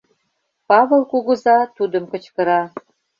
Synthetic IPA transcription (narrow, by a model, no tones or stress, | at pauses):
pɑβɤlˠkuɣə̆zɑt̪ud̪əmkə̆t͡ɕkə̆ɾɑ